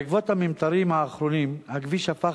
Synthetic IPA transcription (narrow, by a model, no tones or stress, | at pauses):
ɡvot̪hamimt̪aɾimaːχɾonimhaɡviʃafa